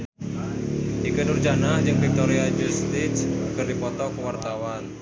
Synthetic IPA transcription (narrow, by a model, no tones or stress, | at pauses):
ʔikənurd͡ʒanad͡ʒɨŋvik̚t̪oɾiad͡ʒust̪ɪt̪skərdipɔt̪ɔkəwart̪awan